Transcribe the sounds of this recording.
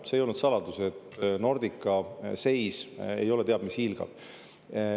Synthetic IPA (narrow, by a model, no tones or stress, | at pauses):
sejo̞lnud̪sɑlɑd̪̥use̞t̪ːno̞rd̪̥ikːˑɑse̞jse̞̰jo̞le̞t̪e̞ɑd̪mishilɡ̥ɑ̰b̥